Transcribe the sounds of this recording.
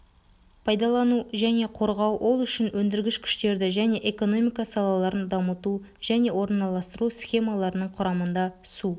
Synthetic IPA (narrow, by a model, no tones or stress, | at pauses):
pʰɑjd̪ɑlˠɑnuʒæne̞qʰo̞ɾʁɑwwʔo̞lˠʏʃɪnwʔɵnd̪ɪɾɡʲɪʃkʲʰʏ̥ʃt̪e̞ɾd̪ɪʒæne̞ʔeko̞no̞mijkɑsɑlˠɑlˠɑɾənd̪ɑmət̪u | ʒ̥æne̞wo̞ɾənːɑlˠɑst̪əɾusχʲe̞mɑlˠɑɾənəɴqʰʊɾɑmənd̪ɑ | su